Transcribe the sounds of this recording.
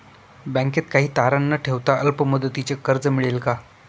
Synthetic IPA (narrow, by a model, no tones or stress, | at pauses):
bɛ̃ŋket̪kaɦiːt̪aɾanːəʈʰeʋt̪aəlpəməd̪ət̪it͡ɕekəɾd͡zəmiɭelka